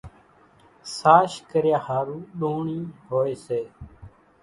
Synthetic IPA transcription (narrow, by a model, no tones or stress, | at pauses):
saːʃkəɾjaːhaːɾuːɗoːɳiːɦoːeːseː